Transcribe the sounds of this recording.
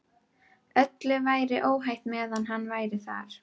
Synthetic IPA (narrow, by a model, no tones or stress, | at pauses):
œt̪lʏvaːjɾɪʔoːwɦajht̪mɛːðanɦanːvaːjɾɪθa̰ɾ̥